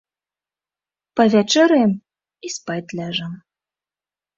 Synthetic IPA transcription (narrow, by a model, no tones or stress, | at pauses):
pɐvʲæt͡ʃeɾem | ispɑjt̪ʲlʲæʒəm